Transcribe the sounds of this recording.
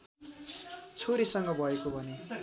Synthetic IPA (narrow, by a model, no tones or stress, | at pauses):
t͡sʰoɾisʌŋɡʌbʱʌekobʱʌne